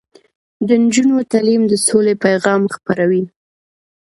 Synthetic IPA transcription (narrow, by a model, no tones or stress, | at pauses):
d̪ənd͡ʒunot̪alimd̪əsolepajɣɑmxpaɾawi